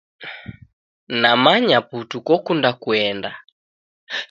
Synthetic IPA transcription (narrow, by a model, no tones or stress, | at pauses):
namaɲaputukɔkundakuɛnda